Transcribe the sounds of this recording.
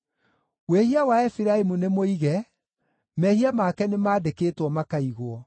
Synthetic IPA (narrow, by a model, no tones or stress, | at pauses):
wehiawaɛfiɾaemunemoiɣɛ | mɛhiamaːkɛnemaːdekeːtwɔmakaiɣoɔ